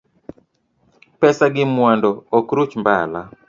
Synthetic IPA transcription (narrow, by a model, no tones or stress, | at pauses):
pɛsaɡɪmwandɔɔkɾut͡ʃmbala